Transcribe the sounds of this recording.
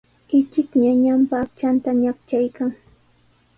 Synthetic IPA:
ɪt͡ʃɪkɲaɲampakt͡ʃant̪aɲakt͡ʃajkaŋ

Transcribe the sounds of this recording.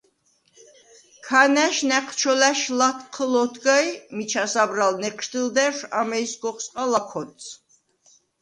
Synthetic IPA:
kʰanɛʃnɛqʰt͡ʃʰɔlæʃlat̪ʰqʰəlɔt̪ʰɡajmit͡ʃʰasabɾalnɛqʰʼʃt̪ild̪ɛʃamɛjsɡɔχsʼqʼalakʰɔt̪sʰ

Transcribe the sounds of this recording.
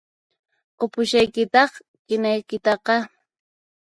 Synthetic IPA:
qopʊʃajkɪt̪ɑχ | kɪnajkɪt̪ɑqɑ

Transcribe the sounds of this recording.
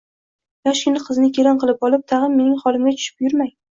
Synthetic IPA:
jaʃʲɪnɪqʰɨznɪkʲʰeɾɒnqʰɨlˠɪpɒlˠɪp̚t̪ʰɑʁɨmːe̞nɪŋχɒlˠɪmɡʲat͡ʃʰʊ̥ʃɪ̥p̚jʊɾmaj

